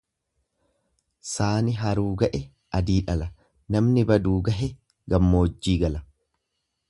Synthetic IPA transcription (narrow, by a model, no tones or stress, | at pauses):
saːnɪɦɐɾuːɡɐʔɛ | ʔɐd̪iːᶑɐlɐ | nɐmnɪbɐd̪uːɡɐɦɛ | ɡɐmːo̞ːd͡ʒːiːɡɐlɐ